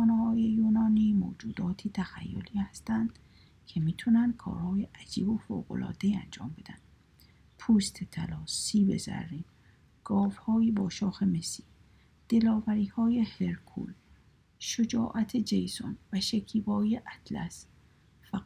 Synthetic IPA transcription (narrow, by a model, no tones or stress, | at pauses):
xɔːnehɒːjejuːnɒːniːmo̰ːd͡ʒuːd̪ɒːt̪ʰiːt̪ʰæxæ̰jːo̰liːhæst̪ænd̪̥ | kʰemiːt̪ʰunænd̪̥̚kʰɒ̰ːɾhɒːjeʔæd͡ʒḭːbofo̰ːɡo̰lɒ̰ːd̪eiænd͡ʒɒ̰ːmbe̞d̪æ̰nd̪̥ | pʰuːst̪ʰet̪ʰælɒːsiːbe̞̰zæ̰ɾːiːn | ɡ̥ɒːvhɒːjibɒːʃɒːxemesi̥ː | d̪̥elɒːvæɾiːhɒːjeheɾkʰṵːl | ʃod͡ʒɒːʔæt̪ʰed͡ʒejso̰nvæʃekʰiːbɒːjeʔæt̪læ̰s | fæ